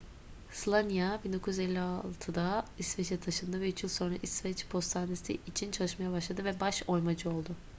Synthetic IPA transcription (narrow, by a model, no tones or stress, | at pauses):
slˠanjabind̪o̞kʰujyzɛlʲːialˠt̪ʰɯd̪aisvɛt͡ʃʰɛt̪ʰaʃɯnd̪avɛyt͡ʃjilʲˠso̞nɾaʔisvɛt͡ʃpʰo̞st̪ʰand̪esḭːt͡ʃʰint͡ʃʰalˠɯʃmajabaʃlˠad̪ɯvɛbaʃo̞jmad͡ʒɯo̞lˠd̪ʊ